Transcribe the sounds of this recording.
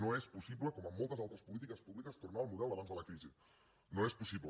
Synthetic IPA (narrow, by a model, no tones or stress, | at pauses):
noespusiβləkɔməmːɔlˠt̪əzalˠt̪ɾəspulit̪̬ikəspuβlikəst̪urnaəlˠmuðɛlˠəβanzðələkɾizi | noespusiblə